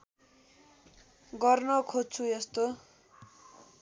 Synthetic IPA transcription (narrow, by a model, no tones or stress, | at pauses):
ɡʌrnʌkʰod̚t͡sʰujest̪o